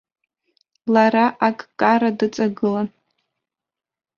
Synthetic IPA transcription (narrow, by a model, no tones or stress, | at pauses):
laɾaʔakʼkʼaɾadɨt͡sʼaɡɨla